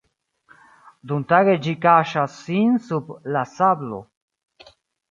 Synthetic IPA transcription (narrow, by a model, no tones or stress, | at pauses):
d̪unt̪aɣed͡ʒikaʃasinsuplasablo̰